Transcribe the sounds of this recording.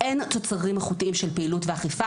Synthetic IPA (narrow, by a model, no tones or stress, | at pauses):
ʔe̞nt̪o̞t͡saʁimaχutiʔimʃelpeilutveaχifa